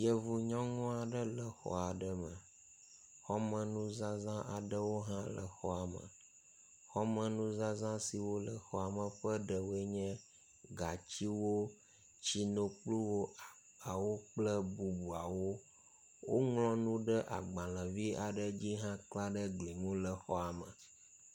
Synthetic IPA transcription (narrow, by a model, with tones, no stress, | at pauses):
jə˨vu˨ɲɔ̃˦ŋɔ̃˦a˨ɖə˦lə˨xɔ̰˦a˨ɖə˦mə˨ | xɔ˦mə̃˨nũ˦zã˦zã˦ʔa˨ɖə˦wo˦ɦã˦lə̰˨xɔ˦a˨mə̰˨ | xɔ˦mə̃˨nũ˦zã˦zã˦si˨wo˦lə˨xɔ˨a˨mə̃˨ɸə˦ɖə˨wo˦e˦ɲɛ̃˦ | ɡa˨t͡ɕi˦wo˦ | t͡ɕi˦nõ˨k͡plu˦wo˦˨ | a˨wo˦k͡plə˦bu˨bu˨a˨wo˦ | wo˦ŋlɔ̃˦nũ˦ɖə˦ʔa˨ɡ͡bã˨l̃ə̃˨vi˦a˨ɖə˦d͡ʑi˦ɦã˦kla˦ɖə˦ɡli˨ŋũ˦lə˨xɔ˦a˨mə˨